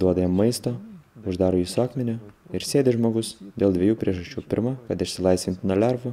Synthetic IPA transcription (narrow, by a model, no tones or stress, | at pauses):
d̪uɔd̪ɐjɛmːɐɪst̪oːʊʒd̪ɑːɾoːjiːsoːkmʲɛnʲʊɪɾsʲeːd̪ʲɪʒmoːɡʊsd̪ʲeːlˠd̪ʲʋʲeɛjuːpʲɾʲiɛʒɐʃʲt͡ʃʲuːpʲɪ̰ɾmɑkɐt̪ɪʃʲsʲɪlˠɐɪsʲʋʲɪnʲt̪ʲnɐlʲæɾʋʊ